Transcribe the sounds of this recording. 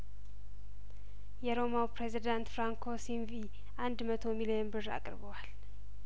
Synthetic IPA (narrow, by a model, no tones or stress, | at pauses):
jɛɾo̞mawpɾezid̪ant̪fɾaŋkʰosinvi | ʔand̪mət̪ʰo̞milionbɨra̰kʼɾbəwal